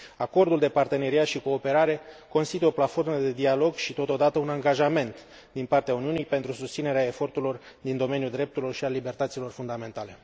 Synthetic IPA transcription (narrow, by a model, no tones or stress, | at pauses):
ako̞rd̪uld̪e̞part̪e̞ne̞ɾiat̪ʃiko̞ːpe̞ɾaɾe̞ko̞nst̪it̪ujoplat̪fo̞rməd̪e̞d̪ialo̞ɡʃit̪o̞t̪o̞d̪at̪əunaŋɡaʒame̞nt̪ | d̪inpart̪eauniunijpe̞nt̪ɾusust̪sine̞ɾeae̞fo̞rt̪uɾlo̞r | d̪ind̪o̞me̞njuld̪ɾe̞p̚t̪uɾilo̞rʃialibe̞rt̪ət̪silo̞rfund̪ame̞nt̪ale̞